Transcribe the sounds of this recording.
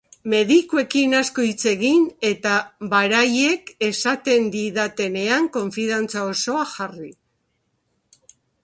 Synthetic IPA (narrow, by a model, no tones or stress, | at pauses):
me̞ðikue̞kinaskoit͡se̞ɣine̞t̪aβaɾaje̞ke̞sat̪e̞nd̪iðat̪e̞ne̞aŋko̞ɱfiðant͡sao̞so̞axari